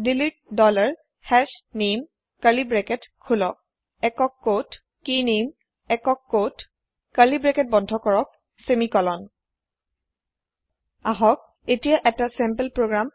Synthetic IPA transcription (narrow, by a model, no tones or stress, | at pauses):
dilit̚dɔlaɹ | hɛsnem | kalibɹɛkɛtkʰulɔ | ɛkɔkːot | kinem | ɛkɔkːot | kalibɹɛkɛt̚bɔndʱɔkɔɹɔk̚ | semikɔlɔn | aɦɔk̚ | etijaʔɛtasɛmpelpɹoɡɹam